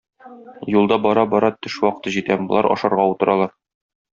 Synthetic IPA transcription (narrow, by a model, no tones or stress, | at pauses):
julˠd̪ɑbɒɾɑbɒɾɑt̪ɵʃwɒqɤ̥̆t̪ɤʑit̪æbŏlˠɑ̰ɾʔɒ̰ʃɑɾʁɑut̪ɤ̆ɾɑlˠɑɾ